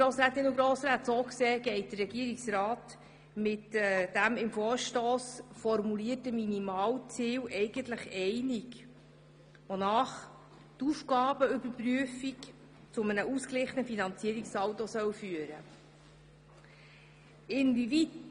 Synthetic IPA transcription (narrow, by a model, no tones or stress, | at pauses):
ɡ̥ɾoːsɾæːt̪ːɪnʊɡɾoːsɾaːt̪soːkseːɡ̥ɛɪt̚d̥̪ərːɛɡ̥iːəɾiksɾɑːt | mɪtd̥æmɪmfoːɾʃtoːsfɔɾmuliːətəminimɑːwt͡siːwʔɛɪɡ̥əntləχɛɪnik | ʋonɑːχ | tufɡɑːb̥əʏbəɾpryəfik | t͡sʊmənəʔusklɪχənəfinɑnt͡siəɾiksɑwt̪ɔsœwfyəɾə | ɪnvivit